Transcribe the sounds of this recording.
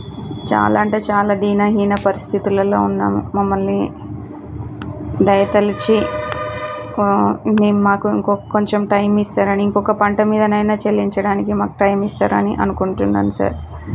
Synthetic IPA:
t͡ʃa̰ːlaːɳʈeːt͡ʃaːlaːd̪iːnɐɦiːnɐpɐɾist̪ʰit̪ulɐlo̞ːunːa̰ːmṵmɐmːɐlni | d̪ɐjɐt̪ɐlit͡ʃi | ne̞ːnumaːkuḭŋkɔko̞ɲt͡ʃemʈɐjmist̪aːɾɐniiŋkɔkɐpɐɳʈɐmiːd̪ɐnɐjnaːt͡ʃelːiɲt͡ʃɐɽaːnikimaːku̥ʈɐjmist̪a̰ːɾɐniʔɐ̰nukuɳʈund̪a̰ːnusa̰ːɾ

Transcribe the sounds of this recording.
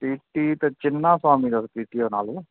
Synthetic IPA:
piːʈiːt̪et͡ʃɪnːaːswaːmiːd̪əspiːʈiːoːnaːlu

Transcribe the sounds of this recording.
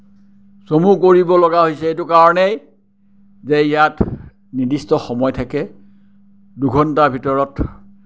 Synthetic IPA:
somukoɹibɔlɔɡaɦojsɛetukaɹɔnej | zeijat | nidistɔxɔmɔjtʰakɛ | duɡʱɔntabʱitɔɹɔt

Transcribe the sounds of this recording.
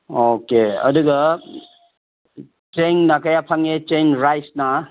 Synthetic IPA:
okeɐ̰duɡɐ | t͡ʃeŋnakajapʰaŋet͡ʃeŋɾajsna

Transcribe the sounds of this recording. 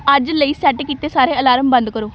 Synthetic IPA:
əd͡ʒləiːsɛːʈkiːt̪eːsaːɾeːəlaːɾəmbə̃nd̪kəɾoː

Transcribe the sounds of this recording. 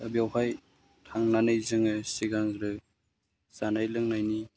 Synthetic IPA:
abjawhaj | tʰaŋnanɯjzɯŋɯsiɡaŋɾɯ | z̥anajlɯŋnajni

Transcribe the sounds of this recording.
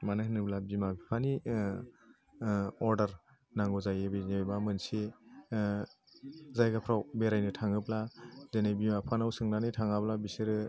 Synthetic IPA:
manɯhnɯblabimabipʰani | ɔɾdɐɾ | naŋɡɔzajebenebamɯnsi | zajɡapʰɾawbeɾajnɯtʰaŋɯblazenajbimapʰanawsɯŋnanijtʰaŋablabisɯɾɯ

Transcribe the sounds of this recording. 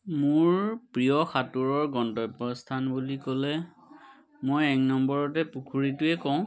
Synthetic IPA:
mʊɹpɹijɔxʰatuɹɔɹɡɔntɔjpːɔstʰanbulikɔlɛ | mojɛknɔmbɔɹɔtɛpukʰuɹitʊɛkɔʊ̃

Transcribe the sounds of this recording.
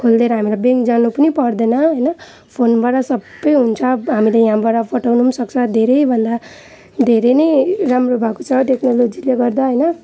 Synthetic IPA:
kʰold̪eɾʌɦamilabeŋkd͡zanupʌnipʌrd̪enʌɦʌjnʌ | pʰonbaɽʌsʌbːʌjɦunt͡sʰʌɦamilejãbaɽʌpʰʌʈawnusʌk̚t͡sʰʌd̪ʱeɾʌjbʱʌnd̪a | d̪ʱeɾʌnʌjɾamrobʱakot͡sʰʌʈeknolod͡zileɡʌrd̪aɦʌjnʌ

